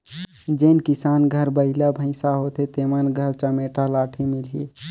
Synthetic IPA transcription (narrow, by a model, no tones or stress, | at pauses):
d͡ʒenkisanɡʱəɾbəɪləbʱə̃ɪ̃saɦot̪et̪emənɡʱəɾt͡ʃəmeʈalaʈʰimilɦi